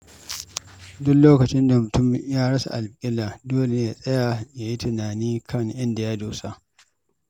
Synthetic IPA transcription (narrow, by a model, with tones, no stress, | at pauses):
dʊ˦kloː˦kɐ˨t͡ʃɪ˦nda˨mʊ˨tʊ˦m˨jaː˦ɽɐ˦sa̰˨ʔa˨lkʼɪ˦la˨doː˦le˨ja˨sʼɐ˦ja˨ja˨ji˦tɪ˨naː˨niː˦kʰɐ˦ŋʔɪ˦nda˨ja˦doː˨sa˦